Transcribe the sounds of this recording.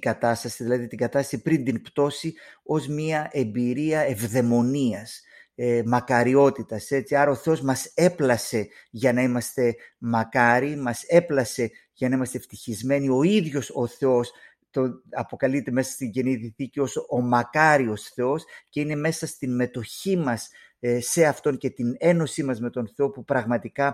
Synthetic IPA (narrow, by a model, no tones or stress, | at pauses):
ɡɐt̪ɐst̪ɐsiðilɐðit̪iɡɐt̪ɐst̪ɐ̥sipɾind̪inpt̪o̞sio̞zmɲiɐʔe̞mbiɾiɐe̞vðe̞mo̞niɐs | mɐkɐɾio̞t̪it̪ɐse̞t͡siɐɾɐo̞θeo̞zmɐse̞plɐse̞ʝɐnɐimɐst̪e̞mɐkɐɾimɐse̞plɐse̞ʝɐnɐimɐst̪e̞ft̪içizme̞nio̞iðʝo̞so̞θe̞o̞s | t̪onɐpo̞kɐlit̪e̞me̞sɐst̪iɲɟe̞niðiθicio̞sʔomɐkɐɾio̞sθe̞o̞sce̞ine̞me̞sɐst̪inme̞t̪o̞çimɐs | e̞ɐft̪o̞ŋce̞t̪ine̞no̞simɐzme̞t̪o̞nθe̞o̞pupɾɐɣmɐt̪ikɐ